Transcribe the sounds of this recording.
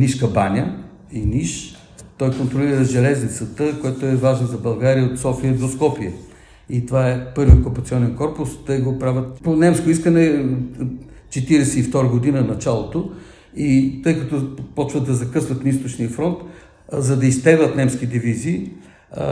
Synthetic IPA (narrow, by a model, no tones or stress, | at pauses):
niʃkɐbanʲə | iniʃ | t̪ɔjkont̪ɾoliɾəʒɛlɛznit̪sət̪əkojɛt̪oɛvaʒɛnzɐbɐlˠɡaɾiəot̪sɔfiəd̪oskɔpiə | it̪ovaɛpɤɾviokʊpɐt̪siɔnɛnkɔɾpʊst̪əjɡopɾavʲət̪ponɛmskoʊiskənɛ | t͡ʃɛt̪iɾɛsɛift̪ɔɾɐɡod̪inənɐt͡ʃalˠot̪o | it̪ɤjkɐt̪ɔpɔt͡ʃvɐd̪ɐzɐkɤsvɐt̪nɐist̪ot͡ʃniɐfɾɔnt̪ | zɐd̪ɐist̪ɛɡlˠət̪nɛmsk̟id̪iviziː